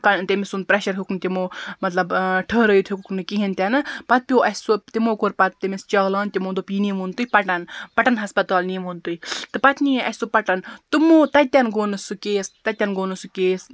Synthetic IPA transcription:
kɐt̪emesund̪̚pɾeʃɐɾɦuknt̪ʲimoːmɐt̪lɐbʈʰəːɾəjit̪ʰukknɨkiɦint̪ʲɐnɨpɐt̪̚pʲjoːʔɐsot̪imoːkoɾpɐt̪̚t̪emest͡ʃɐɡlaːnt̪ʲimoːnd̪opiːniːmunt̪ujipɐʈɐnpɐʈɐnɦɐspɐt̪aːlnimunt̪uit̪ɨpɐt̪niɐ̰sopɐʈɐnt̪umoːt̪ɐt̪ʲɐnɡoːnɨsukeːst̪ɐt̪ʲːɐnɡoːnɨsukeːs

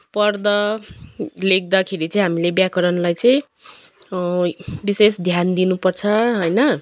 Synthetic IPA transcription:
pʌrd̪ʌ | lek̚d̪akʰeɾit͡sʌĩɦamilebjakʌɾʌnlajt͡sʌj̃ | bisesd̪ʱjand̪inupʌrt͡sʰʌɦʌjnʌ

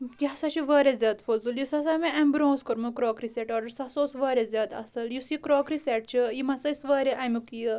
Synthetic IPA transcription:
t̪iɐsɐt͡ʃiʋəːɾʲezʲaːd̪fozuljusɐs̬amiɐmbɾõːskɐɾmɨkɾoːkɾiseʈɔːɖɐɾsɐsoːsʋɐːɾʲezʲɐd̪ɐ̰sɐljusikɾoːkɾisʲeʈ̚t͡ʃʰijimɐsɐsʋɐːɾeʔɐmʲukjɨ

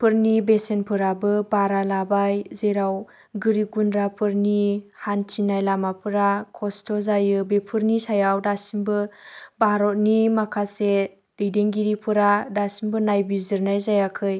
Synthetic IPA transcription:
pʰɯɾnibesenpʰɯɾabɯbaɾalabajzeɾaw | ɡɯɾiɡunɾapʰɯɾnihantʰinajlamapʰɯɾakʰɔstʰɔzajɯbepʰɯɾnisajawdasinbɯbaɾɔt̚nimakʰase | dɯjdeŋɡiɾipʰɯɾadasimbɯnajbizɯɾnajzajakʰɯj

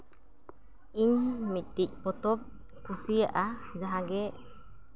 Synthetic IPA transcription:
iɲmit̪̚ˀt̪ic̚pɔt̪ɔp̚ | kusija̰ʔad͡ʒaɦaɡɛ

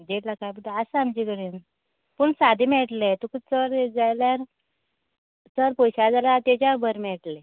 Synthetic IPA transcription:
d͡ʑeʈ̪lakajpəʈ̪asaamd͡ʑiɡəɽin | puɳsad̪ʱimɛʈlet̪ukusəɾd͡zajljaɾ | t͡səɾpojɕad͡zalaɾt̪et͡ɕabəɾmɛʈle

